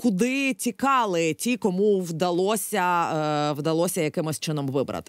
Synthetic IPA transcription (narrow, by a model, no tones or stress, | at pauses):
kʊd̪ɪtʲikɑlˠɪtʲikɔmuwd̪ɐlˠɔsʲɐwd̪ɐlˠɔsʲɐjɐkɪmɔsʲt͡ʃɪnɔmʋɪbɾɐ̰t̪ɪ̥